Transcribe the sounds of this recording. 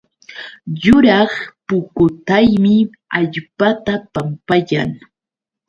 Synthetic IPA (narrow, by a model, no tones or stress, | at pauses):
jʊɾɑχpʊkʊt̪ajmɪ | aʎpat̪apampaja̰ŋ